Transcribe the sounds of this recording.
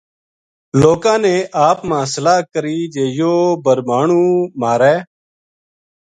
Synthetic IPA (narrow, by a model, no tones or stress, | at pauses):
loːkãːnẽːʔaːpmãːsəlaːkəɾiːd͡ʒeːjoːbəɾmaːɳũːmaːɾɛː